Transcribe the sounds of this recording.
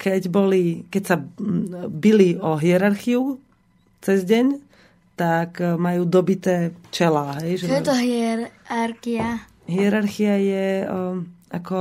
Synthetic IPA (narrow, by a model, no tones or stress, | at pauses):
kʰɛɟbɔlikɛcsa | biliɔɦiɛɾaɾxiu | t͡sɛzɟɛɲ | t̪akmajuːd̪ɔbit̪ɛːt͡ʃɛlaːɦɛjʒɛɔɛt̪ɔɦiɛɾaɾxia | ɦiɛɾaɾxiajɛ | akɔ